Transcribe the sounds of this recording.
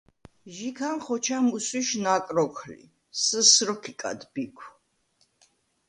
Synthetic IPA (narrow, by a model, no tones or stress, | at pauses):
ʒikʰanχɔt͡ʃʰamuswiʃnakʼɾɔkʰlḭ | səsɾɔkʰikʼa̰d̪bikʷʰ